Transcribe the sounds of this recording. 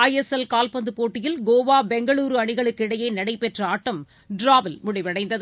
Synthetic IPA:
ɐjɛsɛlkaːlpɐnd̪ɯpoːʈːɪjɪlɡoːʋaːbɛŋɡɐɭuːɾɯɐɳɪɣɐɭɯkːɪɽɐjɐɪnɐɽɐɪpːɛʈrɐaːʈːɐm | ɖɾaːʋɪlmʊɽɪʋɐɽɐɪnd̪ɐð

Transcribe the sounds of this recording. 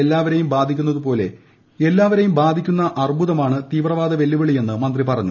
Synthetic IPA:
elːaːʋɐɾe̞jumbaːd̪ʱikʲːunːɐðupo̞ːle̞ | e̞lːaːʋɐɾe̞jumbaːd̪ʱikʲːunːɐʔɐribʱuðɐmaːɳɨt̪iːʋrɐʋaːd̪ɐʋe̞lːiʋiɭije̞nːɨmɐnd̪ripɐrɐɲːu

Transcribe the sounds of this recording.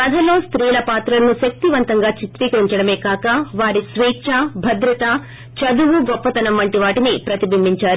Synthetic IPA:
kɐd̪ʱɐlo̞ːst̪ɾiːlɐpaːt̪ɾɐlɐnuʃɐk̚t̪iʋɐnt̪ɐŋɡaːt͡ʃit̪ɾiːkɐɾiɲt͡ʃɐɽɐme̞ːkaːkɐʋaːɾisʋiːt͡ʃabʱɐd̪ɾɐt̪ɐ | t͡ʃɐd̪uʋuɡɔpːɐt̪ɐnɐmːɐɳʈiʋaːʈinipɾɐt̪ibʱimːiɲt͡ʃaːɾu

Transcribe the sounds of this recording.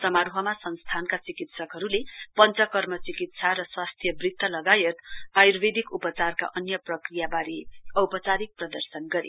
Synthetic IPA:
t͡sʌmaɾuɦʌmasʌnst̪ʰankat͡sikit̪sʌkɦʌɾulepʌnt͡sʌkʌrmʌt͡sikit̪sʰaɾʌswast̪ʰjʌbrit̪ːʌlʌɡajʌt̪ajurbed̪ʱikupʌt͡sarka̰ʔʌnjʌprʌkrijabaɾiʌwpʌt͡saɾik̚prʌd̪ʌrsʌnɡʌɾḭ

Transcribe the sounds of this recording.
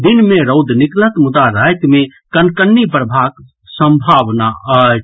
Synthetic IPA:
d̪inmeɾəʊd̪niklət̪mud̪aɾajkmekənkənːipɾəbʱaɡ | səmbʱaʋnaə

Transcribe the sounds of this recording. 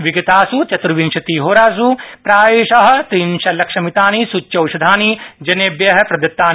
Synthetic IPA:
ʋiɡɐt̪aːsut͡ʃɐt̪ɾuʋinʃɐt̪iɦoːɾaːs̬upɾaːʋeːʃɐɦɐ̆t̪ɾiːnʃɐlɐkʂɐmit̪aːnisut͡ʃːɐwʃɐd̪ʱaːnid͡ʒɐneːbjɐɦɐ̆pɾɐd̪ɐt̪ːaːn

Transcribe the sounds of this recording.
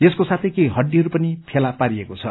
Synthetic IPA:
eskosat̪ʰʌjkejɦʌɖːiɦʌɾupʌnipʰelapaɾiekot͡sʰʌ̰

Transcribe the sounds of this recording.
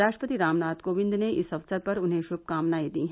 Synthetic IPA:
aːʃʈɾəpət̪iɾaːmnaːt̪koːʋɪ̃nd̪neʔɪsɐʋsəɾpɐɾʊnɦẽʃʊb̚kaːmnaːid̪iːɦ

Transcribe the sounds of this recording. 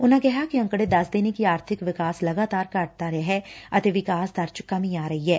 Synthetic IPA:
ʊnãɡɛɦakiɐ̃ŋkɽed̪ɐsd̪eːnekiaːɾt̪ʰɪkʋɪkaːslɐɡaːt̪aːɾkaʈ̚t̪aɾɛɦɛɐt̪eʋɪkaːsd̪ɐɾt͡ʃkɐmĩaːɾɐɦiɦɛː

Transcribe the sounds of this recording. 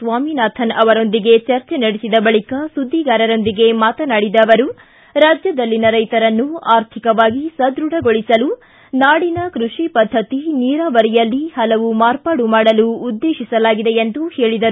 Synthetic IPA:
sʋaːminaːt̪ʰɐnɐʋɐɾo̞nd̪iɡe̞t͡ʃɐɾt͡ʃenɐɽisid̪ɐbɐɭikɐsud̪ʱːiɡaːɾɐɾo̞nd̪iɡe̞maːt̪ɐnaːɽid̪ɐːʋɐɾu | ɾaːd͡ʒjɐd̪ɐlːinɐɾɐjt̪ɐɾɐnːuaːɾt̪ʰikɐʋaːɡisɐd̪ɾuɽɐɡo̞ɭisɐlu | naːɽinɐkɾuʂipɐd̪ʱːɐt̪iniːɾaːʋɐɾijɐlːihɐlɐʋumaːɾpaːɽumaːɽɐluːd̪ːeːʃisɐlaːɡid̪e̞end̪uhe̞ːɭid̪ɐɾu

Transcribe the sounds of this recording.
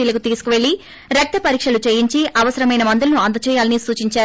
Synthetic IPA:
iːlɐkut̪iːsu̥kuʋeɭi | ɾɐk̚t̪ɐpɐɾiːkʂɐlut͡ʃeːjiɲt͡ʃiʔɐʋɐsɐɾɐmɐjnɐmɐnd̪ulɐnuɐnd̪ɐt͡ʃɛːjaːlɐnisuːt͡ʃiɲt͡ʃaː

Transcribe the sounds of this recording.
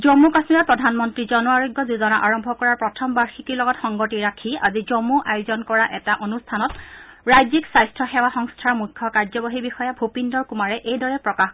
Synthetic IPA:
zɔmːukasmiɹapɹɔdʱanmɔntɹizɔnuaɹɔɡjɔzuzɔnaʔaɹɔmbʱɔkɔɹaɹpɹɔtʰɔmbaɹxikilɔɡɔtxɔŋɡɔtiɹakʰia̰zizɔmuʔajʊzɔnkɔɹaʔɛtaʔonustʰanɔtɹajziksajstʰɹɔxɛwaxɔŋstʰaɹmujkʰːɔkaɹzɔbɔɦibixɔjabʱopindɔɹkumaɹɛʔejdɔɹɛpɹɔkax

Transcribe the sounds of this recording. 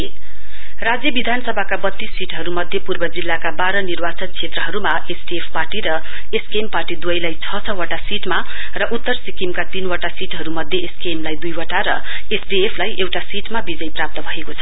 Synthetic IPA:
rad͡zjʌbid̪ʱanʌsʌbʱakabʌt̪ːisːiʈɦʌɾumʌd̪ʱjʌpurbʌd͡zilːakabaɾʌnirbat͡sʌnt͡sʰet̪rʌɦʌɾumaʔesbiepʰparʈiɾʌ | eskemparʈid̪uʌjlajt͡sʰʌt͡sʰʌwaʈasiʈma | rʌʔut̪ːʌrsikimkat̪inwʌʈasiʈɦʌɾumʌd̪ʱjeeskemlajd̪ujwʌʈaɾʌ | esbiepʰlajʔewʈasiʈmabid͡zʌjprap̚t̪ʌbʱʌekot͡sʰʌ

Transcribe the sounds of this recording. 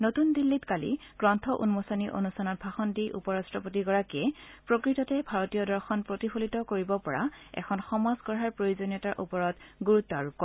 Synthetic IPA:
notundilːitkalḭɡ̥ɹɔntʰɔʔṵnmosaniʔo̰nustʰanɔt̚bʱaxɔndijʔṵpɔɹastɹɔpotiɡɔɹakiɛpɹokɹitɔtɛbʱaɹotijɔdɔɹxɔnpɹotipʰolitɔkoɹibɔpɔɹa̰ɛ̰kʰɔnxɔmazɡɔɹaɹpɹojozonɔtaɹʔupɔɹɔtɡuɹutːɔaɹukːɔ

